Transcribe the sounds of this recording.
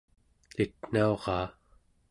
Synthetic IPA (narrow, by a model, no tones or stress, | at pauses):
lit̪n̥ao̞ʁɑː